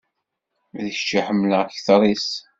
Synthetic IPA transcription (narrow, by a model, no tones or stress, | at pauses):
ðəçt͡ʃːiħəmːləçθɾˤis